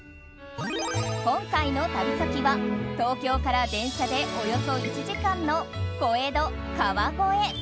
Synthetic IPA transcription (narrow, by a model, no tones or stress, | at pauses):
kõ̞ŋkaino̞t̪abʲisakʲiβat̪o̞ːkʲo̞ːkaɾad̪ẽ̞ɰ̃ɕad̪e̞ʔojo̞so̞it͡ɕiʑikãnːo̞ | ko̞ed̪o̞ | kaβaɡo̞e